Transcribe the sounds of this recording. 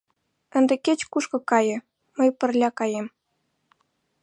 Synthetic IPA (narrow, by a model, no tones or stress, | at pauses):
ə̆nd̪ĕket͡ɕkuʃkɤ̆kɑjɤ̆ | məjpə̆rlʲɑkɑjem